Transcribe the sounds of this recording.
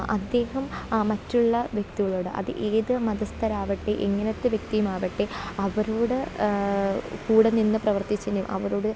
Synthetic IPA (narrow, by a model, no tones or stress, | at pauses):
ʔɐ̰d̪ːe̞ːhɐmmɐtːuɭːɐʋjek̚t̪iɣɐɭo̞ːɽɨʔɐ̰ðɨ̰ʔeːðɨmɐðɐst̪ʰɐɾaːʋɐʈːeʔeŋːɐnɐt̪ːɨʋjek̚t̪ijumaːʋɐʈːeɐʋɐɾoːɽɨ | kuːɽɐninːɨprɐʋɐrt̪it͡ɕːɐndejṵmʔɐ̰ʋɐɾo̞ːɽɨ